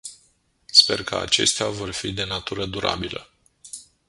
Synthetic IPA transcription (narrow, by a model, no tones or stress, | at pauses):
spe̞rkʰəa̰t͡ʃe̞̰st̪eavo̞rfid̪e̞nat̪uɾəd̪uɾʔa̰bilə̰